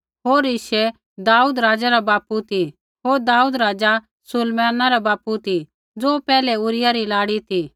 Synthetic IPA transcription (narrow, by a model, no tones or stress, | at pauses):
ɦoːɾɪʃe | d̪aːuːd̪ɾaːd͡zaɾabaːput̪ʰi | ɦoːɾd̪aːuːd̪ɾaːd͡za | sʊlmaːnaɾabaːput̪i | d͡zoːpɛːlɛʊɾɪjaɾilaːɽit̪ʰi